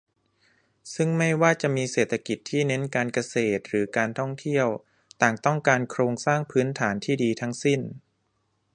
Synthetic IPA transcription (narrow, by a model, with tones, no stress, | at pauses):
sɯ˥˩ŋma˥˩jwaː˥˩t͡ɕa˨˩ʔmiː˧seː˨˩t̪ʰːa˧ki˨˩t̪ʰːiː˥˩ne˦˥nkaː˧nka˧seː˨˩t̪̚ɾɯː˩˦kaː˧nt̪ʰɔ˥˩ŋt̪ʰi˥˩əw | t̪aː˨˩ŋt̪ɔ˥˩ŋkaː˧nkʰɾoː˧ŋsaː˥˩ŋpʰɯː˦˥nt̪ʰaː˩˦nt̪ʰiː˥˩diː˧t̪ʰa˦˥ŋsi˥˩n